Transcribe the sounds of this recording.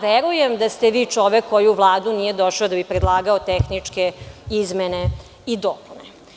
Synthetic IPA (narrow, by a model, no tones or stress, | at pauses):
ʋeɾujemd̪ast̪eʋiːt͡ʂo̞ʋekʰːojuʋlˠaːd̪unije̞d̪o̞ʃaod̪abipɾed̪lˠaːɡaot̪exnit͡ʂkeizmene | id̪opune